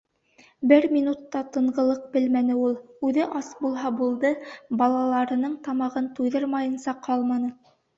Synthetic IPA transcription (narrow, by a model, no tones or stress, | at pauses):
bɘɾmʲinut̪ːɑt̪ɤ̆ɴʁɤ̆lˠɤq̚bɘlmænɘulˠʉðɘʔɑsbulˠɦɑbulˠd̪ɤbɑlˠɑlˠɑɾɤ̆nɤɴt̪ɑmɑʁɤnt̪ujðɤɾmɑjɤ̆nsɑqʰɑlˠmɑnɤ